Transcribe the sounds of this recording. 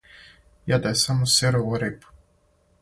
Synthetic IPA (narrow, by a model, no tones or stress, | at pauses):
jad̪aesamoseɾooɾep